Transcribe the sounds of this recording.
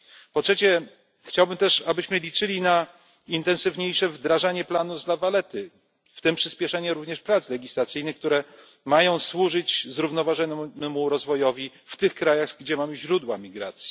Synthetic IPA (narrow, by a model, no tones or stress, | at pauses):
pɔtʂɛt͡ɕɛ | xt͡ɕawbɘmt̪ɛʂabɘɕmɘlʲit͡ʂɘlʲina | int̪ɛ̃nsɘvɲejʂɛvd̪ɾaʐaɲɛplanuzlavalɛt̪ɘ | ft̪ɘmpʂɘspʲjɛʂɛɲɛɾuvɲɛʂpɾat̪slɛɡʲislat̪sɘjnɘxkt̪uɾɛ | majɔ̃w̃swuʐɘt͡ɕzɾuvnɔvaʐɛnɛmuɾɔzvɔjɔvʲi | ft̪ɘxkɾajaɣɡd͡ʑɛmamɘʑɾud̪wa̰mʲiɡɾa̰t̪sʲji̥